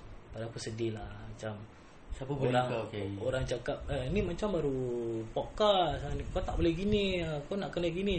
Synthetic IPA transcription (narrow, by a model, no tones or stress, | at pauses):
padakusədilahmat͡ʃam | oɾaŋoɾaŋt͡ʃakap̚ənimat͡ʃambaɾupokasanikot̪aʔbolɛhɡiniakɔnaʔkənaʔɡini